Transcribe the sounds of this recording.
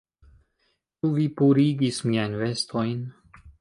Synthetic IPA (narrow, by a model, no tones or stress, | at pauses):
t͡ʃuvipuɾiɡismiajnvest̪ʰo̞jn